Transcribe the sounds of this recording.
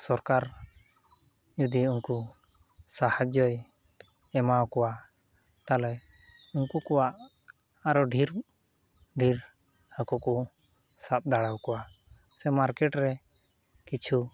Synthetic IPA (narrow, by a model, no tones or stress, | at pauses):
sɔɾkaɾ | d͡ʒud̪iunku | sahad͡ʒɔj | ɛmawkɔwa | t̪alɛ | unkukɔwaʔ | aɾɔɖʱiɾ | ɖʱiɾ | həkuku | sap̚d̪aɽawkɔwa | sɛmaɾkɛʈɾɛ | kit͡ʃʰu